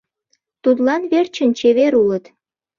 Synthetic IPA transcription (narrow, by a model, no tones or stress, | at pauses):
t̪ut̪lɑnβert͡ɕə̆nt͡ɕeβeɾulət̪